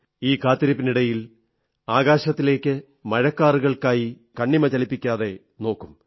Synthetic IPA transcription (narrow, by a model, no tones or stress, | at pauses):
iːkaːt̪ːiɾɐpːiniɽɐjil | aːɣaːɕɐt̪ːile̞ːkʲːɨ | mɐɻɐkːaːruɣɐɭkaːji | kɐɳːimɐt͡ɕɐlipːikʲːaːðe̞ | no̞ːkːum